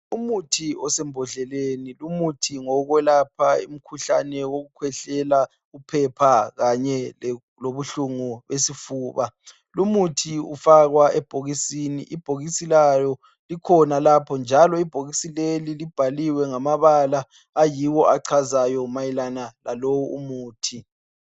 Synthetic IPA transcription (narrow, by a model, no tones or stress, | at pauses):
umutʰiɔsɛmbʱɔɮɛlenilumutʰiŋɔɣwɛlapʰaḭm̩kʰuɬa̰nɛwoɣukʰwɛɬɛla | upʰɛpʰaɣaɲɛ | loβuɬuŋuβesifuːβa | lumutʰiṵfaɣwaʔɛb̥ʱoɣisinḭʔib̥ʱoɣisilajɔ | likʰɔnalapʰɔnd͡ʒʱalɔib̥ʱoɣisilelilib̥ʱaliwɛŋamaβalaː | jiwɔʔaǀʰazajɔmajilanalalowuṵmuːtʰi